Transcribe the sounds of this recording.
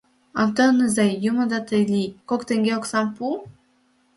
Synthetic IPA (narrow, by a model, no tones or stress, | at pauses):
ɑwt̪onɯzɑjːumɤ̆d̪ɑt̪əjlʲikokt̪eŋɡʲeoksɑmpu